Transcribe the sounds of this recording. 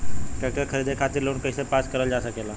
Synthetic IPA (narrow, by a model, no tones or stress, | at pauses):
kakakʰəɾid̪ʱekʰat̪iɾloːnkəjsepaskəɾəld͡ʒasəkela